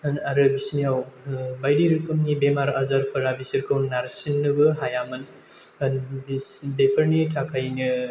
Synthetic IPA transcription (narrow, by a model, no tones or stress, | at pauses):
ɐnaɾɯbisniawbajdiɾɯkɐmnibemaɾazaɾpʰɐɾabisiɾkʰɐwnːaɾsinːɨbɯɦajamɐn | ɐnisdepʰɐɾnitʰakʰajni